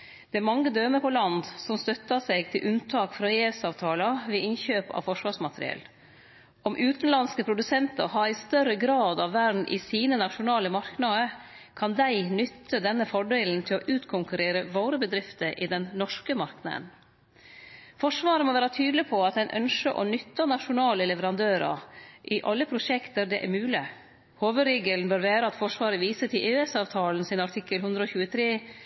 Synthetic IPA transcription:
d̪ɛæɾmɑŋːəd̪øːməpʰɔlɑnd̪sɔmst̪œt̪ːɑsɛɡt̪ʰɪlʔʉnt̪ʰɑːkfɾɑeːʋsɑːʋt̪ʰɑːlɑʋɛɪnçøːpɑ̰ʋfɔʂʋɑːʂmɑt̪ʰɾɪ̰ɛ̰l | ɔmʔʉːt̪n̩lɑnskəpʰɾʊd̪ʉsɛnt̪ə̰ɾɦɑɾɪst̪œɾəɡɾɑːd̪ɑʋːæɖɳn̩ʔɪ̰siːnənɑʂʊnɑːləmɑɾknɑd̪əkʰɑnd̪æɪnʏt̪ːəd̪ɛnːəfɔɖeːln̩t̪ʰɪlɔʔʉːt̪kʰʊŋkʉɾeːɾəʋoːɾəbəd̪ɾɪft̪əʔɪd̪ɛnnɔʂkəmɑɾknɑd̪ə̰n | fɔʂʋɑːɾəmɔʋæːɾɑt̪ʰyːd̪lɪpʰɔɑt̪̚d̪æɪnʔœnʂəʔɔ̰nʏt̪ːɑnɑʂʊnɑːləlɛʋəɾɑnd̪øːɾɑ̰ʔɪʔɑlːəpʰɾʊʂɛkt̪əɾd̪ɛʔæ̰ɾmʉːlɪ | hoːʋəd̪ɾeːɡəlnbøːɾʋæːɾəɑt̪fɔʂʋɑːɾəʋiːsət̪ʰɪlʔeːɛsɑːʋt̪ʰɑːln̩sɪnɑʈʰɪkːəlɦhʉnd̪ɾəɔːçʉːət̪ʰɾeː

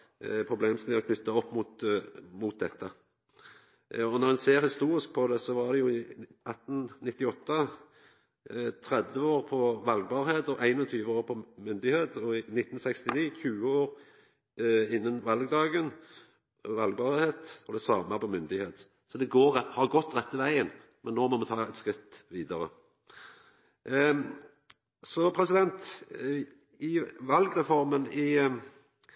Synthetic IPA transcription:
pʰʁʊbleːmsnɪɔkʰnʏt̪ːɑɔpːmʊt̪mʊt̪̚d̪ɛt̪ːə | ɔnɔʁɛnseːɾhɪst̪uːɾɪsk̚pʰɔd̪ɛsɔʋɑʁd̪ɛjʊɪʔɑt̪ːn̩nɪt̪ːɪɔt̪ːə | t̪ʰɾɛd̪ʋəoːʁpʰɔʋɑlɡ̚bɑːʁheːt̪ɔʔæɪnɔt̪ʰyːʋəoːʁpʰɔmʏnd̪ɪheːt̪ɔɪnɪt̪ːn̩sɛkst̪ɪniːçʉːəoːɾ | ɪnːənʋɑlɡd̪ɑːɡən | ʋɑlɡ̚bɑːʁheːt̪ɔd̪ɛsɑːməpʰɔmʏnd̪ɪheːt̪ | sɔd̪ɛɡoːʁhɑʁɡɔt̪ːʁɛt̪ːəʋæɪən | mʔɛnːoːmɔmɛt̪ʰɑːɛt̪skɾɪt̪ːʋiːd̪ɑɾə̰ | sɔpʰɾɛsɪd̪ɛnt̪ | ɪʋɑlɡɾɛfɔɾmənɪ

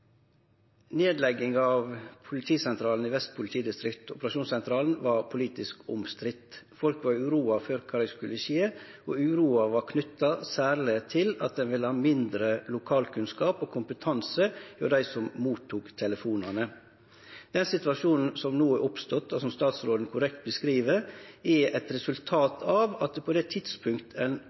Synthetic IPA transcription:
neːd̪lɛɡːɪŋɑʋpʰʊlɪt̪ʰiːsɛnt̪ʰɾɑːln̩iʋɛst̪̚pʰʊlɪt̪ʰiːd̪ɪst̪ɾɪkt̪ʊpɾɑʃuːnsɛnt̪ʰɾɑːln̩ʋɑɾpʰʊliːt̪ɪskʊmst̪ɾɪt̪ːfɔlkʋɑɾʉːɾuːɑføːɾkʰɑːɾɛskʉləʃeːɔʉːɾuːɑʋɑɾkʰnʏt̪ːɑsæːɾɭɪt̪ʰɪlɑ̰t̪̚d̪ɛnʋɪləhɑːmɪnd̪ɾəlʊkʰɑːlkʰʉnskɑːpoːkʰʊmpət̪ʰɑnsəfø̰ːd̪æɪsɔmmuːt̪ʰːuːkt̪ʰɛləfuːnɑnə | d̪̥ɛnsɪt̪ʋɑʂuːnn̩sɔmnuːɛʔʊpst̪ɔt̪ːɔsɔmst̪ɑːt̪sɾoːd̪n̩kʰʊɾɛkt̪̚bəskɾiːʋəɾɛʔɛt̪ɾɛsʉlt̪ʰɑːt̪ʰɑʋɑt̪̚d̪ɛpʰɔd̪ɛt̪ʰɪd̪̥spʰʉŋkt̪əɛn

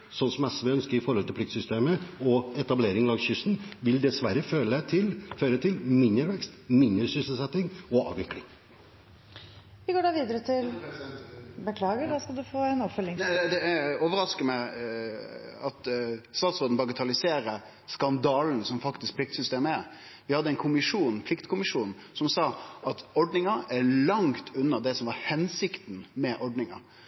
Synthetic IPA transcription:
sɔnsɔmɛsʋɛœnskəɾɪfɔɾhɔlt̪ɪpʰlɪkt̪sʏst̪eːməɔɛt̪ɑbleːɾɪŋlɑːɡsçʏsn̩ʋɪld̪ɛsʋæɾəføːlət̪ʰɪlføːɾət̪ʰɪlmɪnd̪əɾʋɛkst̪mɪnd̪əɾsʏsəl̩sɛt̪ːɪŋɔɑ̰ːʋɪklɪŋ | ʋɪɡoːɖɑːʋiːd̪əɾət̪ʰɪl | bəkʰlɑːɡəɖɑskɑlˠd̪ʉfoːɛnɔpfœlːɪŋæd̪ɛæoːʋəɾɑskəmæɪ | ɑt̪st̪ɑːt̪sɔɾd̪n̩bɑɡət̪ʰɑlɪseːɾə | skɑnd̪ɑːln̩sɔmfɑkt̪ɪsk̚pʰlɪk̚t̪sʏst̪eːməæɾ | ʋɪhɑd̪ːəɛnkʰʊmɪʂuːnpʰlɪkt̪kʰʊmɪʂuːn̩ | sɔmsɑːʔɑt̪ɔɖnɪŋəʔæɾlɑŋt̪ʰʉnːɑd̪ɛsɔmʋɑɾhɛnsɪkt̪nmɛʔɔɖnɪŋɑ̰ɾ

